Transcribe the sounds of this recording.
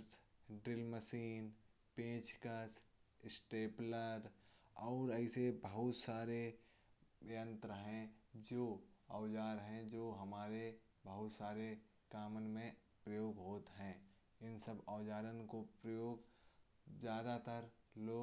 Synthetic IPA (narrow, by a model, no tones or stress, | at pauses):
s | ɖɾɪlməsiːn | pẽːt͡ʃkəs | ɪsʈeːpləɾ | ɔːɾəɪsebəɦʊt̪saːɾe | ə̃nt̪ɾəɦɛ̃d͡ʒoːəʊd͡ʒaːɾɦɛ̃d͡ʒoːɦɐmaːɾe | bəɦʊt̪saːɾe | kaːmənmẽ | pɾəjoːɡɦoːt̪ɦɛ̃ː | ɪnsəbaːd͡ʒaːɾənkopɾəjoːɡ | zjaːd̪at̪əɾloː